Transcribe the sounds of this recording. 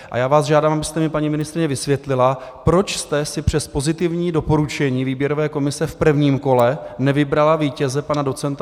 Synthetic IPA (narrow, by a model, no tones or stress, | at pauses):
ʔa̰jaːvaːsʒaːdaːmabɪst̪ɛmɪpaɲimɪnɪst̪ɾɪɲɛvɪsvjɛt̪lɪlapɾo̞t͡ʃst̪ɛsɪpr̝̥ɛspo̞zɪt̪ɪvɲiːdo̞po̞ɾut͡ʃɛɲiːviːbjɛɾo̞vɛːko̞mɪsɛfpr̩vɲiːmko̞lɛnɛvɪbɾalaviːcɛzɛpanado̞t͡sɛnt̪a